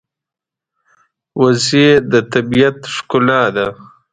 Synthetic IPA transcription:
wazed̪ət̪abijat̪ʂkʊlaːd̪a

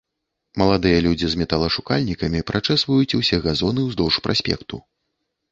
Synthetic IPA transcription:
mɐlˠad̪ɨjɐlʲud͡zʲizmʲɛt̪alˠɐʂukalʲnʲikɐmʲipɾat͡ʂɛsvɐjut͡sʲwsʲɛɣazɔnɨwzd̪ɔwʂpɾʔa̰sʲpʲɛ̰kt̪ṵ

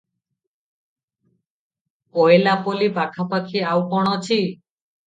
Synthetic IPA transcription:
oelapolipakʰapakʰiawkɔɽ̃ɔt͡ʃʰi

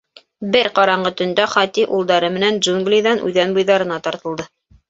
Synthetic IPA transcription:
bɘɾqɑɾɑɴɢɤt̪ɵ̆nd̪æχɑt̪iʔulˠd̪ɑɾɤmɘ̆nændʒuŋɡlʲijðɑnʔʉðænbujðɑɾɤ̆nɑt̪ɑɾt̪ɤ̆lˠd̪ɤ

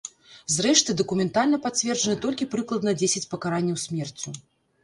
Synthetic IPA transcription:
zrɛʂt̪ɨd̪ɐkumʲɛnt̪alʲnɐpat͡sʲvʲɛrd͡ʐɐnɨt̪ɔlʲkʲipɾɨklˠɐd̪nɐd͡zʲesʲɐt͡sʲpɐkaɾanʲːɐwsʲmʲɛrt͡sʲu

